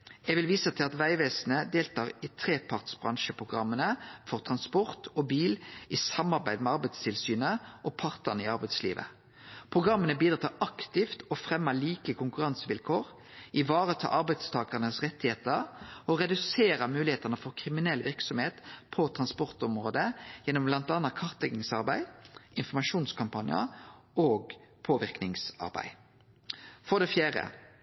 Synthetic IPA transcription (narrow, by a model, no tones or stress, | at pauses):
ɛʋɪlʋiːsət̪ʰɪlɑt̪ʋæɪʋeːsnəd̪eːlt̪ʰɑːʁɪt̪ʰʁeːpʰɑʁt̪sbʁɑ̰ŋʃəpʰʁʊɡʁɑ̰mːənəfɔʁt̪ʰʁɑnspɔʁt̪ɔbiːlɪsɑmɑʁbæɪd̪mɛɑʁbæɪd̪st̪ʰɪlsyːnəʔɔpʰɑʁt̪ənɪɑʁbæɪd̪slḭːʋə̰ | pʰʁʊɡʁɑmːənəbiːd̪ɾɑːt̪ʰɑʔɑkt̪ɪft̪ɔfʁɛmːəliːkəkʰʊŋkʉʁɑnsʋɪlkʰoːʁ | ɪʋɑːɾət̪ʰɑ̰ːʔɑɾbæɪd̪st̪ʰɑːkɑnəsʁɛt̪ːɪheːt̪əɾɔʁɛd̪ʉseːɾɑmʉːlɪheːt̪ɑnəfɔɾkʰʁɪmɪnɛlːʋɪʁksɔmheːt̪pʰɔt̪ʰʁɑnspɔʁt̪ɔmʁoːd̪əjɛnːɔmblɑnt̪ɑnɑt̪̚kʰɑʁt̪lɛɡɪŋsɑɾbæɪɪnfɔmɑʂuːnskʰɑmpɑnɪə̰ɾoːɡpʰoːʋɪʁknɪŋsɑ̰ʁbæ̰ɪ | fɔʁd̪ɛfjæːʁə̰